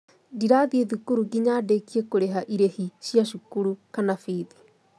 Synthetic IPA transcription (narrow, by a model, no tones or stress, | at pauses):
diɾaðieðukuɾuɡiɲadekiekoɾeɦaʔiɾehiʃiaʃukuɾukanafiːði̥